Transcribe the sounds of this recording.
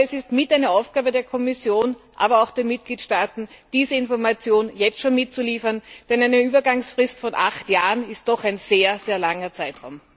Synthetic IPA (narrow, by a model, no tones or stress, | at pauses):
ɛsɪstmɪtaɪnəaʊfɡ̥aːbədeːɐkʰɔmɪsjoːnʔa̰ːbɐaʊxd̥eːɐmɪt̚ɡ̥liːtʃtaːtn̩d̥iːzəɪnfɔɐmat͡sjoːnjɛt͡stʃoːnmɪt̚t͡suliːfɐnd̥ɛnæɪnəyːbɐɡaŋsfʁ̥ɪstfɔnʔa̰χtjaːʁənɪst̚d̥ɔxæɪnz̥eːɐz̥eːɐlaŋɐt͡saɪtʁa̰ʊm